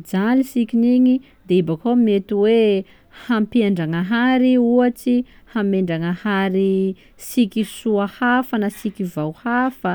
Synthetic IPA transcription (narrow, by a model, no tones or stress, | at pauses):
d͡ʒalisikʲiniɲi | d̪eibakomet̪uwe | hampiaɳɖ͡ʐaŋaɦaɾiuat͡si | hameɳɖ͡ʐaŋəhaɾi | sikisuahafanəsikʲivawhafə